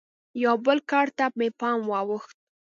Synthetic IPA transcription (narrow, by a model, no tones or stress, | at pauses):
jawbəlkɑɽt̪amepɑmwɑwəxt̪̚